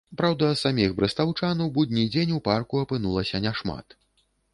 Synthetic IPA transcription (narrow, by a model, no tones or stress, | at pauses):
pɾawd̪ɐt̪samʲixbɾɨst̪awt͡ʂanɐwbud̪ʲnʲid͡zʲenʲuparkuɐpɨnulˠɐsʲɐnʲɛʂma̰t̪